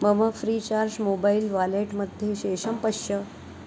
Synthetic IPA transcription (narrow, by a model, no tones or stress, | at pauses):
məməfɾiːt͡ɕaɾd͡ʑmobailʋaleʈməd̪ʱjeɕeːɕəmpəɕjə